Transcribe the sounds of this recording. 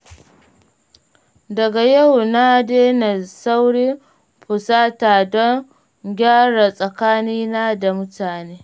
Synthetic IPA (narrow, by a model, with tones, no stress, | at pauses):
dɐ˨ɡa˨ja˦˨wna˦deː˦na˨sa˦wɽiː˦ | ɸʊ˨saː˦taː˨dɔ˦ŋ | ɡʲaː˦ɽa˨sʼɐ˨kaː˦niː˦naː˦da˨mʊ˦taː˨neː˦